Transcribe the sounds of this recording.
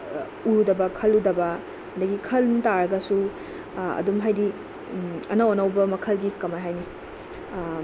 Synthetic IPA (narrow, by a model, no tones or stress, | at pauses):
uɾudɐbɐkʰɐludɐbɐ | hɐndɐɡikʰɐlmtaɾɐɡɐsu | ɐ̰dumɦajdi | ɐ̰nɐonɐwbɐmɐkʰɐlɡikɐmaɦajni